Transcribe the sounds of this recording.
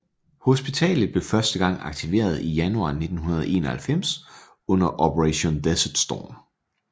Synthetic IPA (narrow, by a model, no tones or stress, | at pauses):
ho̝sb̥it͡sʰɛ̰ːlð̩ˠb̥le̝fɶɐsd̥əɡ̥ɑ̈ŋ̰ɑ̈ɡ̥̚t͡sʰiʋe̝̰ːɐð̞ˠijænuɑ̰̈ːne̝d̥n̩hunɐð̞ˠe̝̰ːnɐhælfem̰s | ɔ̽n̰ɐʔɒpʰəʁɛɕo̝nd̥esɐd̥sd̥ɒ̰ːm